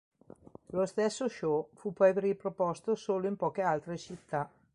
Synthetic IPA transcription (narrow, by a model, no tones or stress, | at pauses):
lost̪ɛsːoʃɔfupːɔjɾipɾopɔst̪osoːloimpɔːkealt̪ɾet͡ʃit̪ːa